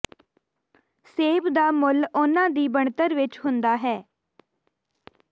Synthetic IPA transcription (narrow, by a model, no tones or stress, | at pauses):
seːʋd̪aːmʊlʊnãːd̪iːbəɳt̪əɾʋɪt͡ʃɦʊnd̪aːɦɛː